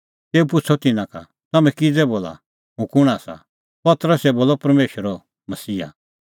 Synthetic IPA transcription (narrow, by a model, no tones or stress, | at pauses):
t̪eːupʊt͡sʰɔt̪ɪnãka̰ | t̪ɐmɛ̃kid͡zɛboːla̰ | ɦũkʊɽ̃aːsa̰ | pɐt̪əɾəsɛboːlɔpɐɾmeːʃəɾɔ | mɐsiːa̰